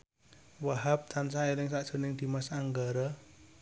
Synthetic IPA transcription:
waɦap̚t̪ansaelɪŋsaʔd̥ʒ̥o̤nɪŋd̪̥i̤masaŋɡaɾa

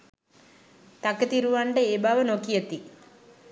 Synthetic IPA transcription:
t̪ɐkːɐt̪iɾuʋaːɳɖeeːbaːʋɐnokijɐt̪ːi

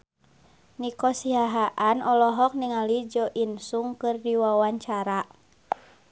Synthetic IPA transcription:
nikɔsiaɦaʔanʔɔlɔɦɔk̚niŋalid͡ʒɔʔinsuŋkɨrdiwawaɲt͡ʃaɾa

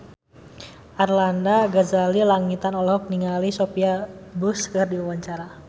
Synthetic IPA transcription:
ʔarlandaɡazalilaŋit̪anɔlɔk̚niŋalisopiabuskərdiwawaɲt͡ʃaɾa

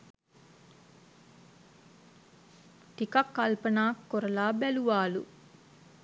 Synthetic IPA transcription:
t̪ikɐkːalpɐnaːkːoɾɐlaːbæluʋaːlṵ

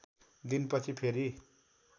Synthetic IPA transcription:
d̪inpʌt͡sʰipʰeɾi

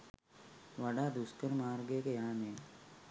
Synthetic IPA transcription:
ʋɐɖaːd̪uskɐɾmaːɾɡekɐjaːneː

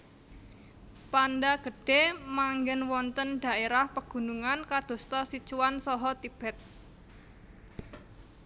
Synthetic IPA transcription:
pandaɡ̥ə̤ɖ̥e̤maŋɡɛnwɔnt̪ənɖ̥a̤ʔeɾahpəɡ̥ṳnuŋankad̪̥o̤st̪ɔsit͡ʃuwansɔɦɔt̪ib̥ɛt̪̚

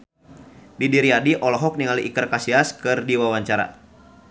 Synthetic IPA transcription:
didiɾiadiʔɔlɔɦɔk̚niŋaliʔikɨrkasiaskɨrdiwawaɲt͡ʃaɾa̰

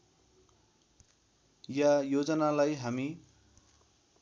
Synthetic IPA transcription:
jajod͡zʌnalajɦami

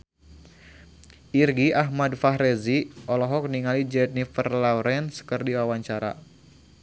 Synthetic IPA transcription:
ʔirɡiʔaɦmadfaɦɾɛziʔɔlɔɦɔk̚niŋalid͡ʒɛt̪̚nifərlawɾɛnskɨrdiwawaɲt͡ʃaɾa̰

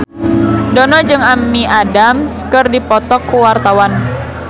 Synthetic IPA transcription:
dɔnɔd͡ʒɨŋamːiʔadamskɨrdipɔt̪ɔkːuwart̪awan

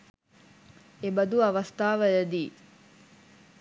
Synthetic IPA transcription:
ebɐd̪uɐʋɐst̪aːʋəjɐd̪iː

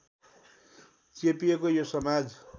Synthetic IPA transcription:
t͡sepiekojosʌmad͡z

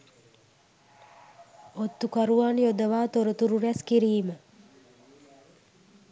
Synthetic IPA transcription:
ot̪ːukaɾuaːnijod̪əʋaːt̪oɾət̪uɾuɾɛskiɾiːmə

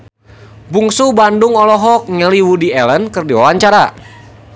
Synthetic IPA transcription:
buŋsubandʊŋɔlɔɦɔk̚ŋɛliwudiɛlənkɨrdiwawaɲt͡ʃaɾa

